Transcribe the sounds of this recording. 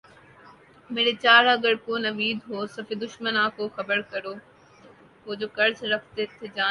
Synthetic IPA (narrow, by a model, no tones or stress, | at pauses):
meːɾet͡ɕaːɾaːɡɐɽkoːnɐʋiːd̪ɦoːsɐfed̪ʊʃmənaːkoːxɐbəɾkɐɾoː | ɦoːd͡ʑoːkɐɾzɾɐkʰt̪et̪ʰed͡ʑaː